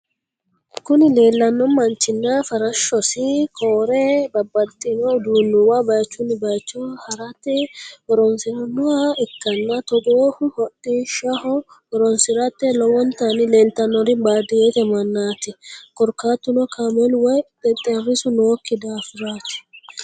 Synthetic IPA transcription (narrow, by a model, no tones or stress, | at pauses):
kʊnɪle̞ːlːɐnːɔmɐnt͡ʃːɪnːɐfɐɾɐʃːɔsɪkʰoːɾɛbɐbːɐt̪ʼːɪnɔd̪uːnːʊwɐbɐjt͡ʃːʊnːɪbɐjt͡ʃːɔhɐɾɐt̪ːɛɔɾɔnsɪɾɐnːɔaɪkːɐnːɐt̪ɔɡoːhʊhɔɗiʃɐhɔ | ɔɾɔnsɪɾɐt̪ːɛlɔwɔnt̪ɐnɪlɛnt̪ːɐnːɔɾɪbaːd̪ɪet̪ɛmɐnːaːt̪ɪkɔɾkːaːt̪ːʊnɔkʰamɛlwɔjd̪ɛt̪ʼːɛɐɾɪsʊnoːkːɪd̪afɪɾaːt̪ɪ̥